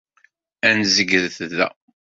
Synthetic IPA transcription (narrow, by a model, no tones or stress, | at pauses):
ænzəɡəðθðæ̰